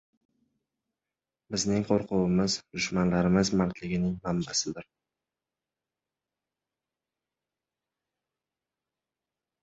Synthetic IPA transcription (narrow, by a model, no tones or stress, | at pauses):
bɪznɪŋqʰoɾqʰʊwɪmɪzd̪̥ʊʃmanlaɾɪmɪzmaɾt̪lɪɡʲɪnɪŋmambasɪd̪ɪɾ